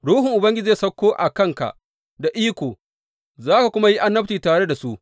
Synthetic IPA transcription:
ɽuː˦hʊ˨ŋʔʊ˨bɐ˦ŋɡʲɪ˦d͡ʒeː˦˨sɐ˦kʷːoː˦ʔa˨kɐ˦˨ŋka̰˨ | da˨ʔiː˦kʷoː˨ | zaː˦ka˨kʷʊ˦ma˦ji˦ʔa˦nːɐ˦p̚tiː˨taː˨ɽe˦da˨su˦ʔ

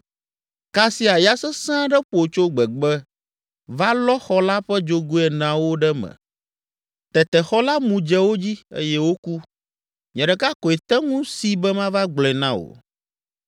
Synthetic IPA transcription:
ka˦si˦a˨ja˦sɛ˦sã˦ɖɛ˦ɸo˨t͡ʃo˦ɡ͡bɛ˨ɡ͡bɛ˦ | va˦lɔ˦xɔ˦la˦ɸɛ˦d͡ʒo˦ɡu˦ɛ˨nã˨wo˦ɖɛ˦mɛ̰̃˨ | t̪ɛ˨t̪ɛ˨xɔ˦la˦mũ˨d͡ʒɛ˦wo˦d͡ʑi˦ḛ˦jɛ˦wo˦ku˦ | ɲɛ̃˨ɖɛ˨ka˦kɔ˨ɛ˨t̪ɛ˦ŋũ˦si˦bɛ˦mã˦va˦ɡ͡blɛ̃˨nã˦wo̰˨

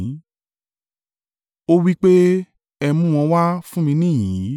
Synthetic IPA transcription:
o˦wi˦k͡pe˦ | ɛ˧mũ˦˨w̃ɔ̃˧wa˦fũ˦mĩ˧˦nĩ˦˨jĩ˨˦

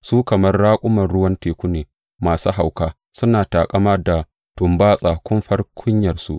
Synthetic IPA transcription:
suː˦kɐ˨mɐ˦rːaː˦kʷʼʊ˦mɐ˨nɽʊ˦wɐ˦nteː˨kʷu˦neː˨ | maː˨su˦ɦa˨wkaː˦ | sʊ˦naː˨taː˨kʼɐ˦mɐ˦da˨ | tʊ˨mbaː˦sʼaː˨kʷʊ˦mɸɐ˦rkʷʰʊ˦ɲjɐ˨rsṵ˦ʔ

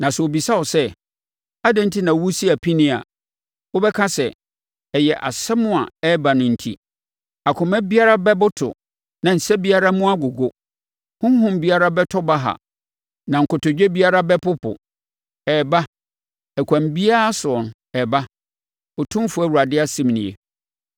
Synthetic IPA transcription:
nã˨sɛ˨o˨bi˨sa˦ɔ˨sɛ˦ | a˦dɪ̃˦n̩˦tʰi˦nã˨wu˦si˦a˨pʰi˦nɪ̃˦˨a̰˨ | wo˦bɛ˦kʰã˦sɛ˨ | ɛ˨jɛ˨ʔa̰˨sɛ˦mʊ̃˦a̰˨ɛ˦ba˨nʊ̃˨n̩˨tʰḭ˦ | a˨kʰʊ̃˨mɛ̃˦bi˦a˦ɾa˦bɛ˦bʊ˦tʰʊ̰˨ | nã˨n̩˨sɛ˦bi˦a˦ɾa˦mʊ̃˦a˦ɡʊ˨ɡo˦ | hʊ̃˦m˦ɦʊ̃˨m˦bi˦a˦ɾa˦bɛ˦tʰɔ˦ba˦ɦa̰˨ | nã˨ŋ̩˨kʊ˨tʊ˨d͡ʑᶣɛ˦bi˦a˦ɾa˦bɛ˦pʰʊ˦pʰʊ̰˨ | ɛ˨ba˦ | ɛ˨kʷʰã˨mbi˦a˦a˦sʊ˨ɔ˨n˨ | ɛ˨ba˦ | ɔ˨tʰʊ̃˦fʊ˨˦æ˦˨wu˨ɾa˨dɪ˦a˦sĩ˦mnɪ̰̃˨ḛ˨

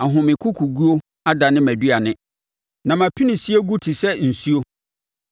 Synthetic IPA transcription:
a˨ɦʊ̃˨mɪ̃˨kʰu˦kʰu˨ɡu˦o˦ | a˦da˨nɪ̃˦mæ˨di˦a˨nɪ̃˦ | nã˨mã˨pʰi˦nɪ̃˨si˦e˦ɡu˦tʰi˨sɛ˦n̩˨su˦o˦

